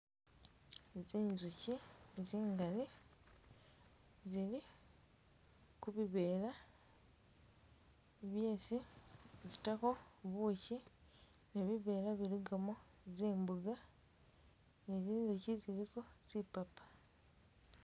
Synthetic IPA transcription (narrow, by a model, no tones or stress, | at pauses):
eziːnziciziːŋɡali | zili | kuβiβe̞ːɾa | βjeːsizitako̞βuːci | neβiβe̞ːɾaβiɾiɡamo | zeːmbuɡa | neziːnzuciziɾiko̞z̥ipapḁ